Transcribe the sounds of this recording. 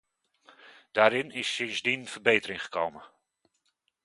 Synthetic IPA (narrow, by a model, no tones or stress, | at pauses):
d̥aːɾɪnɪsːɪnzdinvəɹbejtərɪŋχə̥ko̰wmə